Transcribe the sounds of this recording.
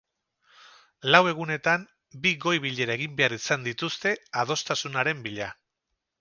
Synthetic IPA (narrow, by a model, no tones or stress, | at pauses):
lawe̞ɣ̞une̞t̪am | biɣo̞jβiʎe̞ɾaeɣ̞imbe̞aɾisand̪it̪ust̪e̞að̞o̞st̪asunaɾe̞mbiʎa